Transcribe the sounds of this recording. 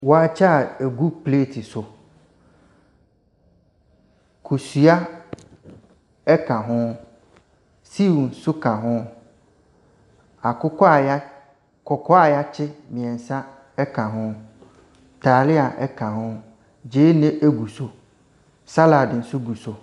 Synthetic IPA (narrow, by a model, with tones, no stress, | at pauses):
wɔ˨a˨t͡ʃa˦˨e˨ɡu˦ple˦ti˨sʊ˨ | kʰu˨su˨a˦ | ɛ˦ka˨ɦʊ̃˦ | si˦wu˨n̩˦sʊ˦ka˨ɦʊ̃˦ | a˨kʊ˦kɔ˦a˨ja˦ | kɔ˨kɔ˦a˨ja˦t͡ɕʰɪ˦mĩ˨ɛ˨n˨sa˦ | ɛ˦ka˨ɦʊ̃˦ | ta˨lɪ˦a˨ʔɛ˦kã˨ɦʊ̃˦ | d͡ʑe˨˦nɪ̃˦ʔe˦ɡu˨so˨ | sa˦la˨dɪ˨n̩˦sʊ˦ɡu˨so˨